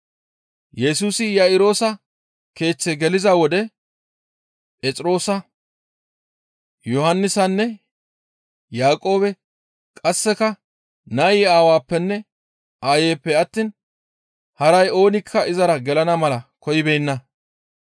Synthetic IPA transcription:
jɛsuːsɪjaɪɾo̞ːsɐ | ke̞ːt͡sːɛɡɛlɪzɐwɔd̪ɛ | pʼɛt͡sʼɾo̞ːsɐ | jɔhɐnːɪsɐnːɛ | jaːkʼo̞ːbɛ | kʼɐsːɛkɐ | nɐjɪːaːwaːpːɛnːɛ | ʔaːjeːpːɛɐt̪ːiːn | hɐɾɐjo̞ːnɪkʰːɐʔɪzɐɾɐɡɛlɐnɐmɐlɐkɔjɪbɛjnːɐ

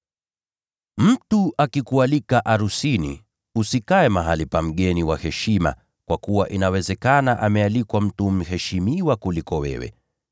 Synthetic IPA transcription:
m̩tuʔakikualikaʔaɾusinḭ | usikaɛmaɦalipam̩ɠɛniwahɛʃima̰ | kwʔakuwaʔinawɛzɛkanaʔamɛalikwam̩tum̩hɛʃimiwakulikɔwɛ̰wɛ̰

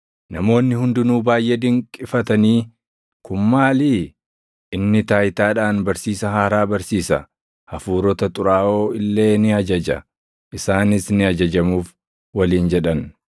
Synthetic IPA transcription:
nɐmo̞ːnːɪhʊnd̪ʊnuːbaːjʔeːd̪ɪŋkʼːɪfɐt̪ɐniː | kʊmːaːliː | ʔɪnːɪt̪aːjt̪aːᶑaːnbɐɾsiːsɐɦaːɾaːbɐɾsiːsɐ | hɐfuːɾɔt̪ɐt̪ʼʊɾaːo̞ːɪlːe̞ːnɪɐd͡ʒɐd͡ʒɐ̰ | ʔɪsaːnɪsnɪɐd͡ʒɐd͡ʒɐmuːf | wɐliːnd͡ʒɛᶑɐn

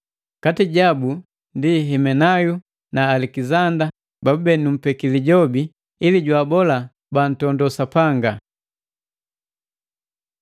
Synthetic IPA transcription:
katiɟabu | ndiɦɛmɛnaju | naːlɛkizanda | babɛnum̩pɛkiliɟɔbiː | liɟwaːbɔla | ban̩tɔndɔsapaŋɡa

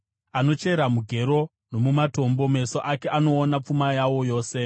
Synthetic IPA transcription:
ano̞t͡ʃe̞ɾamuɡʱe̞ɾo̞ | no̞mumato̞mbo̞me̞soʔake̞ʔano̞ːnap͡fumajawo̞jo̞ːse̞

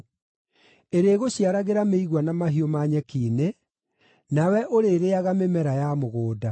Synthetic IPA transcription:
eɾeːɣoɕiaɾaɣeɾameiɣwanamaɦiomaɲɛkiːne | nawɛʔoɾeɾeaɣamemɛɾajamoɣoːda

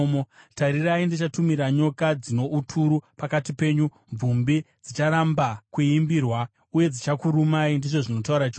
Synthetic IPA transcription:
motaɾiraindit͡ʃatumiɾaɲo̞kad͡zino̞ʔutʰuɾupakatipe̞ːɲu | ɱb͡vumbid͡zit͡ʃaɾambakuimbirwa | uje̞d͡zit͡ʃakuɾumaindiʐo̞ʐino̞tauɾat͡ʃo

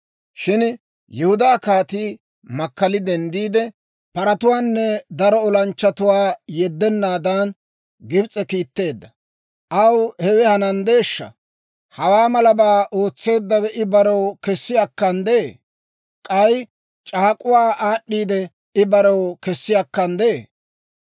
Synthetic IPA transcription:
ʃɪn | jɛhʊd̪aːkaːt̪iː | mɐkːɐlɪd̪ɛnd̪iːd̪ɛ | pɐɾɐt̪ʊwaːnːɛd̪ɐɾɔɔlɐnt͡ʃːɐt̪ʊwaːjɛd̪ːɛnːaːd̪ɐn | ɡɪbt͡sʼɛkiːt̪ːe̞ːd̪ːɐ | ʔɐwhɛwɛhɐnɐnd̪e̞ːʃːɐ̰ | hɐwaːmɐlɐbaːʔo̞ːt͡sːe̞ːd̪ːɐwɛʔɪbɐɾɐwkɛsːɪjɐkːɐnd̪ee | kʼɐj | t͡ʃʼaːkʼʊwaːʔaːɗːiːd̪ɛ | ɪbɐɾɐwkɛsːɪjɐkːɐnd̪e

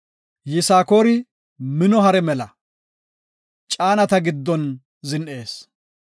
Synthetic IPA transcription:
jɪsaːko̞ːɾɪ | mɪnɔɦɐɾɛmɛlɐ | t͡ʃʼaːnɐt̪ɐɡɪd̪ːɔn | zɪnʔe̞ːs

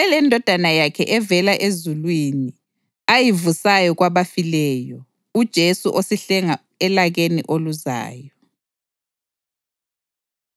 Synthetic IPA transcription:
ɛlɛndʱɔd̥ʱanajakʰɛʔɛvɛlaʔezulwiːni | ajivusajɔɣwaβafilɛjɔ | ud̥ʒ̥ʱesuʔosiɬɛŋa | ɛlaɣeniʔoluza̰ːjɔ

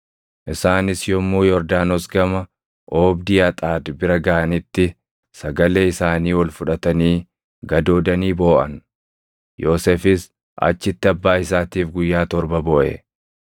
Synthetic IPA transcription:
ʔɪsaːnɪsjɔmːuːjɔɾd̪aːnɔsɡɐmɐ | ʔoːbd̪ɪɐt̪ʼaːd̪bɪɾɐɡɐʔɐnɪt̪ːɪ | sɐɡɐleːɪsaːniːwɔlfʊᶑɐt̪ɐniː | ɡɐd̪o̞ːd̪ɐniːbo̞ːʔɐ̰n | jo̞ːsefɪs | ʔɐ̰t͡ʃːɪt̪ːɪɐbːaːɪsaːt̪iːfɡʊjːaːt̪ɔɾbɐbɔʔɛ̰

